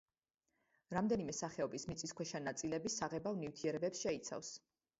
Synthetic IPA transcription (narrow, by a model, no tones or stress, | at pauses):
ɾamd̪ɛnimɛsaχɛɔbismit̪sʼiskʰwɛʃanat̪sʼilɛbisaʁɛbavnivt̪ʰiɛɾɛbɛpsʃɛit̪sʰa̰fs